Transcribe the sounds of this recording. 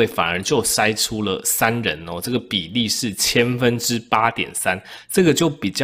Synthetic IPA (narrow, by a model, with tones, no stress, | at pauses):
e˥˩ɪfa̰˨˩nə˨˧˥t͡ɕjo˥˨ʊʂa˦ɪʈ͡ʂʰu˦lə̰˨sa˦˥nɻə˦nɔ˨ʈ͡ʂɤ˥˩ɡə˩pi˨˩li˥˧ʂɻ̩˥˩t͡ɕʰjɛ˥nfə˦nʈ͡ʂɻ̩˦pa˦˥t̪jɛ̰˨˩nsa˦nʈ͡ʂɤ˥˩ɡə˨˩t͡ɕjo˥˩ʊpi˨˩t͡ɕjɑ˥